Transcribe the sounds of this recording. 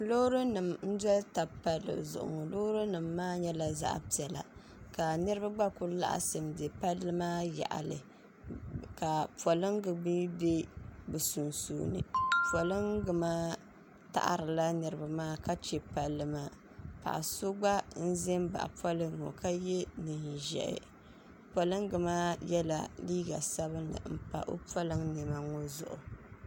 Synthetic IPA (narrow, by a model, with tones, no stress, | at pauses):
lo˦ɾɨ˦nɨ˨mn̩˦dɛ˦lta˨pa˨lːɨ̰˨zʊ̰˨ʔʊ̰˨ŋɔ˨lo˦ɾɨ˦nɨ˨mːaː˦ɲɛ˦la˨za̰˦ʔpi˨ɛ˨la̰˨ | ka˨nɨ˦ɾɨ˦ba˦ɡ͡ba˦ku˦la̰˦ʔa̰˨sɨ˨mde˨pa˦lːɨ˦maː˦ja̰˨ʔa̰˨lɨ̰˨ | ka˨pwɔ˨lɨ˦ŋɡɨ˨bi˦be˦bɨ˨su˨nsṵː˨nɨ̰˨pɔ˨lɨ˦ŋɡɨ˨maː˦ | ta̰˨ʔa̰˨ɾɨ˨la˦nɨ˨ɾɨ˨ba˨maː˦˨ka˦t͡ʃɛ˨pa˨lːɨ˨ma˦ | pa̰˨ʔsʊ˦ɡ͡ba˦n̩˦ze˦mba̰˨ʔpɔ˦lɨ˦ŋo̰˨ka˦jɛ˦nɨ˨nʒɛ̰˨ʔɪ̰˨ | pa˨lɨ˦ŋɡɨ˨maː˦jɛ˦la˨liː˦ɡa̰˨sa˦βɨ˦nːɨ̰˨m̩˨pa̰˨ʔo̰˦pɔ˦lɨ˦ŋnɛ˨ma˨ŋo˦zʊ̰˨ʔʊ̰˨